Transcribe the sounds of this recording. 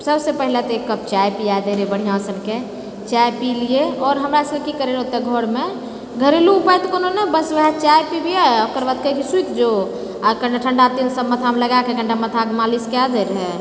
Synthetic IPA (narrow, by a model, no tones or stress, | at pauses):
səbsepəɦilet̪ɔekːəp̚t͡ʃajpiad̪əɾɛbəɽ̤ijãsənke | t͡ʃajpilijeɔːɾɦəmɾasəb̚kikəɾeɾɦot̪eɡʱoɾme | ɡʱəɾeluːpajt̪ɔkononəbəsʋəɦɛt͡ʃajpibijaokəɾbad̪̚kəɦikisuik̪ʰd͡ʒo | kəɳɖaʈʰəɳɖat̪ilsəbmət̪ʰameləɡakekəɳɖamət̪ʰakmaliskead̪eɾɦɛ